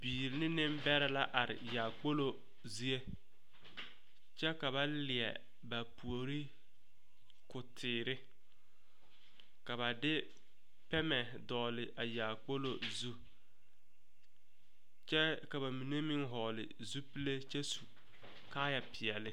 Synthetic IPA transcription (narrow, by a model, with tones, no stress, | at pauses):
biː˨ɾɪ˨˦nɪ˦nɪ˦m˦bɛ˦ɾɪ˦la˦ʔa˨ɾɪ̰˨jaː˨k͡po˦lo˦˨ | zi˦e˦ | t͡ʃɛ˦ka˨βa˦lɪ˨ɛ̰˨ | ba˨pu˨o˨ɾi˦ | kʊ˨tʰɪː˨ɾɪ˦ | ka˨βa˨dɪ˦ | pɛ˦mɛ˨ | dɔː˨lɪ˨ʔa˨jaː˨k͡po˦lo˨zu˦ | t͡ʃɛ˦ka˨ba˨mi˨ne˦mɪ˦ŋɦɔː˨lɪ̰˨ | zu˦pi˦le˦t͡ʃɛ˦su˨ | kaː˦ja˨pʰɪ˨ɛ˨lɪ˦